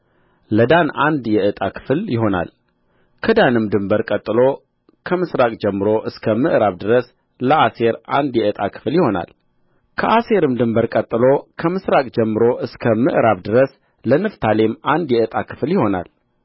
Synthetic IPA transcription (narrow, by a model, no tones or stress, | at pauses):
ləd̪anʔa̰nd̪jɛʔɨt̪ʼakʰɨ̥fljɪɦo̞na̰l | kʰəd̪anɨmd̪ɨmbəɾkʼət̪ʼːɨlo̞ | kʰəmɨsɾakʼd͡ʒɛmːɨɾo̞ʔɨskʰəmɨʔɾaβd̪ɨɾəs | ləʔase̞ɾand̪jɛɨt̪ʼakʰɨ̥fljɪho̞na̰l | kʰəʔase̞ɾɨmd̪ɨmbəɾkʼət̪ʼːɨlo̞kʰəmɨsɾakʼd͡ʒɛmːɨɾo̞ʔɨskʰəmɨʔɾaβd̪ɨɾəs | lənɨft̪ʰalemand̪jɛɨt̪ʼakʰɨ̥fljɪho̞na̰l